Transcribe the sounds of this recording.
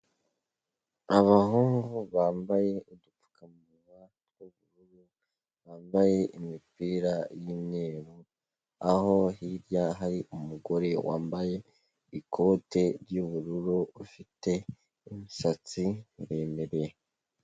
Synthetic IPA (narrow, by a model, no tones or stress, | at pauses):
aβahuːŋɡuβaːmbaje̞iduu̥kam | uɾa | ɾɡuβuɾuɾu | βaːmbaje̞ʔimipiːɾajinneːβu | aho̞hiɾjaɦaɾiʔumuɡo̞ɾe̞wa̰ːmbaje̞ | ikʰo̞ːte̞ɾjuβuɾuɾuβufite̞ | imisat͡siuɾeːmeɾe